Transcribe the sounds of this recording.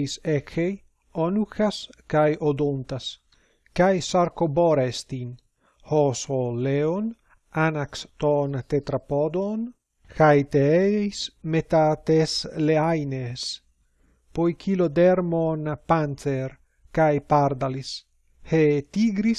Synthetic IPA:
isexej | onuxaskajod̪ont̪as | kajsaɾkoboɾest̪in | hosoleon | anakst̪ont̪et̪ɾapod̪on | xajt̪eejsmet̪at̪esleajnes | pojkʰilod̪eɾmonpant͡seɾ | kajpaɾd̪alis | het̪iɡɾis

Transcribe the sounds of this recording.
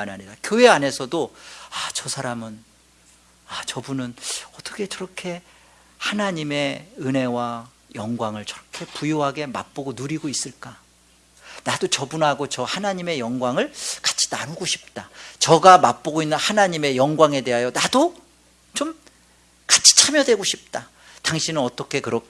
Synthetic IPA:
anaɲidakjoɦe̞ane̞sʰʌdoat͡ɕʌsʰaɾamɯn | at͡ɕʌbunɯnʌt͈ʌkʰe̞t͡ɕʌɾʌkʰe̞ | hanaɲime̞ɯnɦe̞wa | jʌŋɡwaŋɯɭt͡ɕʌɾʌkʰe̞pujoɦaɡe̞ma̰p͈oɡonuɾiɡois͈ɯɭk͈a | nadot͡ɕʌbunɦaɡot͡ɕʌhanaɲime̞jʌŋɡwaŋɯɭkḁt͡ɕʰi̥danuɡoɕʰi̥p̚t͈at͡ɕʌɡamap͈oɡoinːɯnhanaɲime̞jʌŋɡwaŋe̞de̞ɦajonado | t͡ɕom | kḁt͡ɕʰi̥t͡ɕʰamjʌdwe̞ɡoɕʰip̚t͈a | taŋɕʰinɯnʌt͈ʌkʰe̞kɯɾʌk

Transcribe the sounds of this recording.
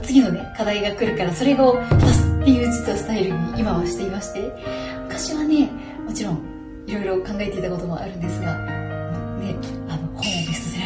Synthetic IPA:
t͡sɨɡʲino̞ne̞kad̪aiɡakɯ̟ɾɯ̟kaɾaso̞ɾe̞ɡot̪asɨ̥t̪ːe̞jiɯ̟t͡ɕɨ̥t͡sɨosɨ̥t̪aeiɾɯ̟ɲ̟iʔimaβaɕi̥t̪e̞imaɕi̥t̪e̞mɯk̪aɕiβane̞ | mo̞t͡ɕiɾõ̞ŋ | iɾo̞iɾo̞kãŋɡae̞t̪e̞it̪ako̞t̪o̞mo̞̰ʔa̰ɾɯ̟nd̪e̞sɨɡanone̞ano̞hoːd̪e̞sɨe

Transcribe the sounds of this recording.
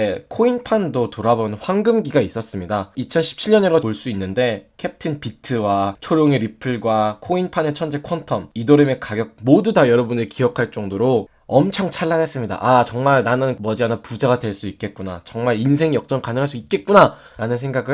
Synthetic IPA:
ekʰoinpʰandotoɾabonɯnɸwaŋɡɯmɡiɡais͈ʌs͈ɯmɲidait͡ɕʰʌnɕʰi̥p̚t͡ɕʰiʎɲʌɲʌɾooɭs͈uinːɯnde̞kʰe̞p̚tʰinpitʰɯwat͡ɕʰoɾjoŋeɾipʰɯɭɡwakʰoinpʰane̞t͡ɕʰʌnd͡ʑekʰwʌntʰʌmidoɾɯme̞kaɡjʌk̚modudajʌɾʌbunɯɾekiʌkʰaɭt͡ɕ͈ʌŋdoɾo | ʌmt͡ɕʰʌŋt͡ɕʰaɭːanɦes͈ɯmɲida̰ʔat͡ɕʌŋmaɭnanɯnmʌd͡ʑianapud͡ʑaɡadwe̞ɭs͈uit̚k͈e̞t̚k͈unat͡ɕʌŋmaɾinsʰe̞ŋijʌk̚t͡ɕ͈ʌŋkanɯɦaɭs͈uit̚k͈e̞t̚k͈una | ɾanɯnsʰe̞ŋɡaɡɯ

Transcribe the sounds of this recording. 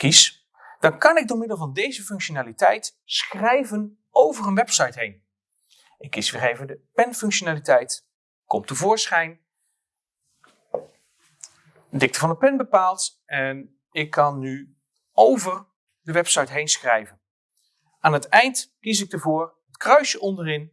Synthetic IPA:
kis | d̥ɑnkɑnɪɡ̚dʊːɹmɪdəlˠvɑndejzəfɵŋkʃonaːlitɛjt | sχrɛjvən | owvərənʋɛpsɑjtɦejn | ʔɪkːisəχejvədəpɛnfɵŋkʃonaːlitɛjt | kɔmtəvʊːɹsχɛjn | dɪk̚təvɑndəpɛnbəpaːlˠt | ɛn | ɪkʰːɑnːy | owvər | dəʋɛpsɑjtɦejnsχrɛjvən | aːnətɛjntkisɪk̚dəvʊːr | ətkrœɥʃəʔɔndərɪn

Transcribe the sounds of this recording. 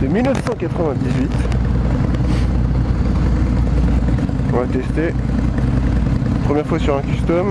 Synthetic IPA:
sɛmilnəfsɑ̃kat̪χəvɛ̃d̪izɥit̪ | ɔ̃at̪ɛst̪e | pχəmjɛʁfwasyʁɛ̃kʲyst̪ɔm

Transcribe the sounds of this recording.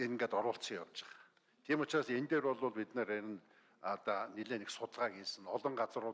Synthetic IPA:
enŋɡaːt̪ɔɾʊːɬt͡sikja̰wt͡ɕɪ̆χ | t̪ʰiːmʊt͡ɕraːsent̪eːɾpɔɮʊːɮpit̪neːɾeɾʲɪ̆n | at̪aːniɮeːneksʊt̪ə̆ɮʁaːɡiːsɘ̆ŋɔɮɞ̆ɴɢat͡sə̆rʊ

